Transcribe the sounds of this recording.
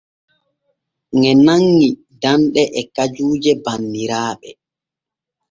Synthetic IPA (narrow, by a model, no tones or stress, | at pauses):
ŋɛnaŋːi | danɗɛʔɛkad͡ʒuːd͡ʒɛbanːiɾaːɓɛ